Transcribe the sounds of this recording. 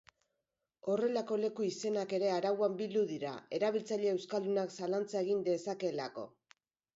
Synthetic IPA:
o̞re̞lako̞le̞kuise̞nake̞ɾe̞aɾawambild̪uðiɾa̰e̞ɾaβ̞ilt͡saʎeewskald̪unaksalant͡sae̞ɣ̞ind̪e̞sake̞la̰ko̞̰

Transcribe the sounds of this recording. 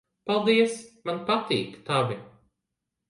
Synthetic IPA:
palˠd̪iɛsmanpat̪ḭːkt̪avʲi

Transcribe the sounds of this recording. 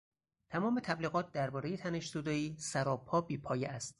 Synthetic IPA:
t̪ʰæmɒːmet̪ʰæbliːɣɒːt̪̚ʰd̪æɾbɒːɾejet̪ʰæne̞ʃzud̪ɒːiːsæɾɒːpʰːɒːbiːpʰɒːjeæst̪̚

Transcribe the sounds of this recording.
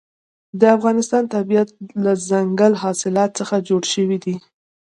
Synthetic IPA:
d̪əafɣɑnɪst̪ɑnt̪abijat̪̚lazaŋɡəlɦɑsɪlɑt̪̚t͡səxad͡ʒoɽʃəwid̪i

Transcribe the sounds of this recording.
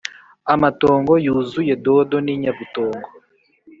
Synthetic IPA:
amatoːŋɡo̞juːzuje̞do̞doniːɲaβito̞ːŋɡo

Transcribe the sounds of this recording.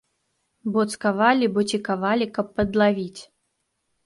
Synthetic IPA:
bɔt̪skavalʲibɔt͡sʲikavalʲikɐpːɐd̪lˠavʲit͡sʲ

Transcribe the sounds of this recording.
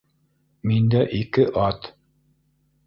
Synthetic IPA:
mind̪æʔikɘʔɑt̪

